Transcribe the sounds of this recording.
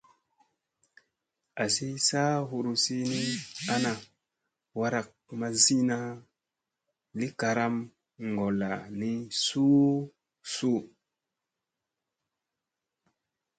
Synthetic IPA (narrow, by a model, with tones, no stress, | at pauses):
a˨si˦saː˦ɦu˨ɾu˨si˦ni˦a˦na˨ | wa˦ɾa˨k̚ma˦zi˦na˦ | li˦ka˨ɾa˦m | ŋɡo˨la˨ni˦su˦ | su˦